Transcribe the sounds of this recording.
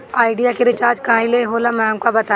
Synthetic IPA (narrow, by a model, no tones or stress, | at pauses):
aːɪɖijakeɾɪt͡ʃaːɾd͡ʒkaːĩleɦoːlamɛ̃ːŋkabɐt̪a